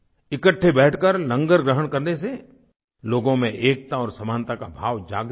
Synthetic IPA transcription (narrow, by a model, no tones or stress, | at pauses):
ɪkəʈʰːebɛːʈʰkəɾlɐ̃ŋɡəɾɡɾəɦəɽkɐɾnese | loːɡõmẽʔeːk̚t̪aɔːɾsɐmãːnt̪akabʱaːʋd͡ʒaːɡ